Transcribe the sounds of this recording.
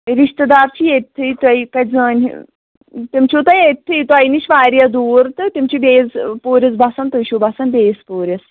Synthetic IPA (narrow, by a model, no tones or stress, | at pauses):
ɾiʃt̪ɐd̪aːɾt͡ʃʰijet̪ʰːɨt̪ɐjkɐzãːn̰ʲ | t̪imt͡ʃʰut̪ɐjet̪ʰːɨt̪uɐjniʃʋaːɾijɐd̪uːɾt̪ɨt̪ʲimt͡ʃʰibeːzpoːɾʲɐzbɐsɐnt̪uʃʰubɐsɐnbʲeːspoːɾʲɐs